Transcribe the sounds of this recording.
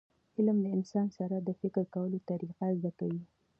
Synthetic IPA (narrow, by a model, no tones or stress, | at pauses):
ɪlmlaɪnsɑnsaɾad̪əfɪkɾkawəlot̪aɾiqazd̪akawi